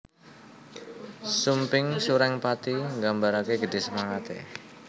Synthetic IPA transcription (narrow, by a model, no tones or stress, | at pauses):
sumpɪŋsuɾɛŋpat̪iŋɡambaɾakeɡəd̪̥e̤səmaŋat̪ḛ